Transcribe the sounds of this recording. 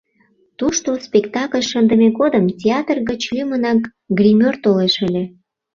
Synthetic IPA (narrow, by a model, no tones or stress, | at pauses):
t̪uʃt̪ospʲekt̪ɑkəlʲʃənd̪əmeɣod̪əmtʲeɑt̪rɣət͡ɕlʲymənɑk | ɡrʲimʲørt̪oleʃəlʲe